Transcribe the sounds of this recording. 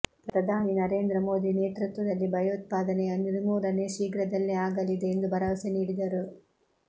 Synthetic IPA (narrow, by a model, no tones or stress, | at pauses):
pɾɐd̪ʱaːninɐɾe̞ːnd̪ɾɐmo̞ːd̪ineːt̪ɾut̪ʋɐd̪ɐlːibʱɐjɐut̪̚paːd̪ɐneɐnd̪iɾimuːɾɐneʃiːɡɾɐd̪ɐlːiaːɡɐlid̪eːnd̪ubʱɐɾɐʋɐseniːɽid̪ɐɾu